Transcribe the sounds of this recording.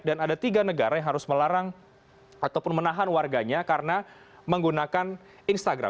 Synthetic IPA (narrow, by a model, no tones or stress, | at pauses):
danadat̪iɡanəɡaɾajaŋɦaɾʊsməlaɾaŋ | at̪awpʊnmənaɦanwarɡaɲakaɾəna | məŋɡunakan | inst̪aɡɾa̰